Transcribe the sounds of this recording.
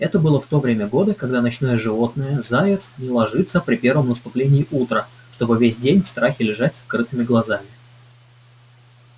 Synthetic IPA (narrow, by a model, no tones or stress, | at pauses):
ɛt̪əbɨlˠəft̪o̞vɾʲemʲəɡo̞d̪əkɐɡd̪anɐt͡ɕno̞jəʐɨvo̞t̪nəjəzaɪt̪snʲɪlˠɐʐɨt̪səpɾʲɪpʲe̞rvəmnəst̪ʊplʲenʲɪːʔut̪ɾə | ʂt̪o̞bɨvʲesʲdʲenʲfst̪ɾaxʲɪlʲɪʐatʲsɐkɾɨt̪ɨmʲɪɡlˠɐzamʲɪ